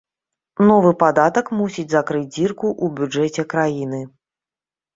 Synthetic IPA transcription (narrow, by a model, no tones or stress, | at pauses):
nɔvɨpad̪at̪ɐkmusʲid͡zʲzakɾɨd͡zʲd͡zʲirkuʔubʲud͡ʐɛt͡sʲɛkɾajinɨ